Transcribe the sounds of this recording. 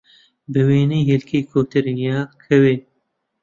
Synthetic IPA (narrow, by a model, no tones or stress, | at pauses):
bɨweːniɦelkʰeːkʰoːt̪ɨɾjaːkʰɛweː